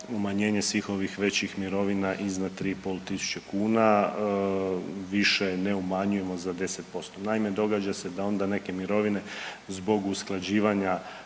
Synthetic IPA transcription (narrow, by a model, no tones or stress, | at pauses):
umaɲe̞ːɲe̞sʋiːxo̞ʋixʋet͡ɕixmiɾo̞ʋinaʔiznad̪̚t̪ɾiːpolˠt̪isu̥t͡ɕekuːna | ʋiʃeneumaɲuje̞mo̞zad̪e̞set̪̚po̞st̪onaime̞d̪o̞ɡad͡ʑase̞d̪ao̞nd̪ane̞ke̞miɾo̞ʋine̞ | zbo̞ɡusklˠad͡ʑiːʋaɲa